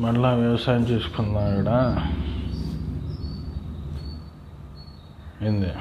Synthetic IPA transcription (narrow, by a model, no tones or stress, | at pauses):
mɐɽlaːʋjɐʋɐsaːjɐmt͡ʃeːsu̥kond̪naːʋiɽa | end̪e